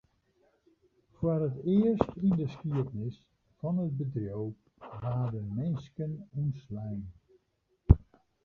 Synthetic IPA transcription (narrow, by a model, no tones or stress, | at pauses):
forətɪərstindəskiətnɪs | fɔnəd̚bədrjow | ʋaːdənmɪnskənunslɛjn